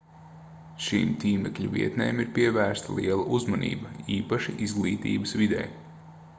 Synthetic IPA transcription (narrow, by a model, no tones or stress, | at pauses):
ʃḭmt̪ʲiːmɛklʲuvḭɛt̪nḛːmiɾpiɛvæːɾst̪ɐlˠiɛlˠɐʔuzmɐnḭːbɐiːpaʃiʔizɡlˠiːt̪ḭːbəsʋid̪ɛ̰ːj